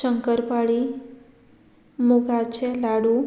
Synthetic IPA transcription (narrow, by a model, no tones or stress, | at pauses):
ʃəŋkəɾpaɭi | muɡat͡ʃʰelaɽũ